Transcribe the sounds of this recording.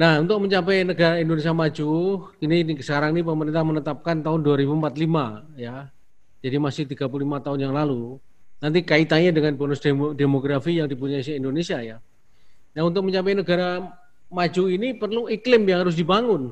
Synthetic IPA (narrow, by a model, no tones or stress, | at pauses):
nahunt̪ʊk̚məɲt͡ʃap̬ɛjnəɡaɾaindonesiamad͡ʒukininsəkaɾaŋnipəməɾɪnt̪ahmənət̪ap̚kant̪aɦʊnduaɾibumpat̪limaja | d͡ʒadimasɪht̪iɡap̬ululimat̪aʊnjaŋlalu | nant̪̬ikait̪aɲadəŋanbonʊsdedemoɡɾafijaŋdipuɲaisɪhindonesiaja | naunt̪ʊk̚məɲt͡ʃapɛjnəɡaɾa | mad͡ʒuinipərluiklɪmjaŋhaɾʊs̬dibaŋʊn